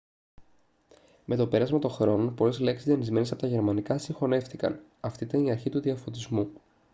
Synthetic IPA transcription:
me̞t̪o̞pe̞ɾɐzmɐt̪o̞xɾo̞nopo̞le̞zleksizðiɐnizme̞nesɐpo̞t̪ɐʝe̞ɾmɐnikɐsiŋxo̞ne̞fθikɐ̰n | ɐft̪iit̪ɐniɐɾçit̪uðiɐfo̞t̪izmu

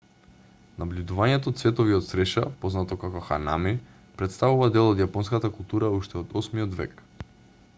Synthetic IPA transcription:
nablʲud̪uvaɲɛt̪ɔːt̪svɛt̪ɔviot̪sɾɛʃapoznat̪ɔkakɔxa̰nami | pɾɛt̪st̪avuvad̪ɛlˠɔd̪japɔnskat̪akulˠt̪uɾauʃt̪ɛod̪ɔsmiɔd̪vɛ̰k

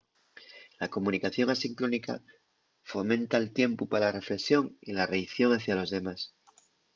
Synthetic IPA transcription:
lako̞mũnikaθjo̞ŋasiŋkɾonika̰ | fo̞mẽ̞nt̪aelt̪je̞mpupaalare̞fle̞ksjo̞ŋḭlarejθjo̞ŋaθjalo̞zðe̞mas

